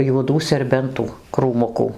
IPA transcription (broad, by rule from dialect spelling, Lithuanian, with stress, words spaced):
juɔˈduː sʲɛrʲˈbʲɛntuː kruːˈmʊkuː